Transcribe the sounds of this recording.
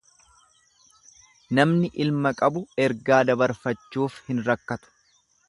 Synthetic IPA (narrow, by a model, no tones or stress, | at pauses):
nɐmnɪʔɪlmɐkʼɐbʊɛɾɡaːd̪ɐbɐɾfɐt͡ʃːuːfhɪnɾɐkːɐt̪ʊ̥